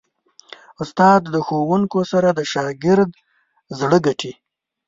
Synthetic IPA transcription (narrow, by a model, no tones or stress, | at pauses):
ʊst̪ɑd̪ːəxowuŋkosaɾad̪əʃɑɡɪɾd̪ | zɽəɡaʈʰi